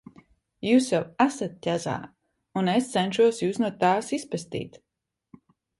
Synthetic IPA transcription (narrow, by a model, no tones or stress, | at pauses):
juːsjawasat̪̚tʲaza̰ː | unest̪senʃuɔsjuːsnuɔt̪aːsispest̪ḭːt̪